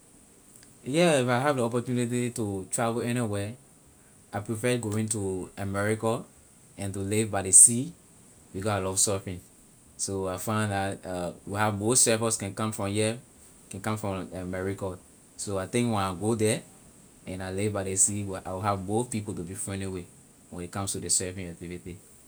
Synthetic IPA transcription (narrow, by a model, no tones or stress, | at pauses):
jɛifaɪɦavdiɔpɔtjunit̬itutʰɹavlɛniwɛ | aɪpɹifɛɡoĩntuəmɛɹikɔ | ɛ̃ntulivbaɪdesi | bikɔsaɪlɔv̥sɔfĩn | soaɪfãɪ̃ndatwiavmoθsɛfɔskɛ̃nkãmfɹɔ̃mjɛ | kɛ̃nkãmfɹɔ̃ɛmɛɹikɔ | soaɪθɪ̃ŋkwɛ̃naɡodɛ | ɛ̃naɪlivbaɪdesiwʔa̰ɪwiɦavmoθpipoltubifɔ̃niwe | wɛ̃ndekãmstudesɛvĩnak̚tiviti